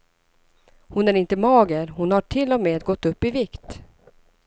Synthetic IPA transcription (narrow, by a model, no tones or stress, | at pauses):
hʊnæɾɪnt̪əmɑːɡəɾhʊnhaʈʰɪlːɔmeːd̪ɡɔt̪ːɵpːɪvɪkt̪